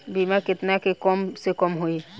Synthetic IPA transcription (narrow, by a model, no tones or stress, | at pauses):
bimaket̪nakekɔmsekɔmɦoj